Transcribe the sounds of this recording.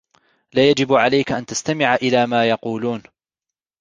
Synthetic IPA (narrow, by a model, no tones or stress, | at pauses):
laːjad͡ʒɪbʕalajkaʔant̪ast̪amɪʕʔɪlaːmaːjɑquːluːn